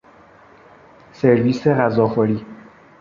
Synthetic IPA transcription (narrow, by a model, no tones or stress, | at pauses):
seɾviːseʁæzɒːχɔɾiː